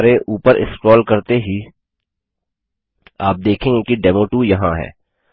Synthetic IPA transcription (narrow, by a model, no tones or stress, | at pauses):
ɾeʔuːpəɾʔɪ̰skɾɔːlkɐɾt̪eɦi | aːp̚d̪eːkʰẽːŋɡekiɖɛːmoːʈujɐɦãɦɛ̰ː